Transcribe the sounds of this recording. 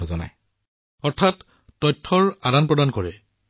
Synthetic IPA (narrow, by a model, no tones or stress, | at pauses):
ɔzɔna̰j | ɔɹtʰatː | ɔjtʰːɔɹadanpɹɔdankɔɹɛ̰